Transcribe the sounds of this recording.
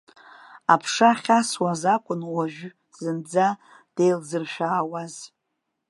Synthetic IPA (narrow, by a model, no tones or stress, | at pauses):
apʰʂaχʲaswazakʷʼʊnwaʒᶣ | z̥ɨnd͡za | d̥ejlzɨrʃᶣaːwaz̥